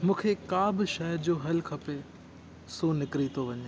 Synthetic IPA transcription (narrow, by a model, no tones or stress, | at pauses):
mũːkʰekaːbɪʃɐɦəɾd͡ʑoɦɐlkʰɐpe | sonɪkɾit̪ʰoʋɐɲe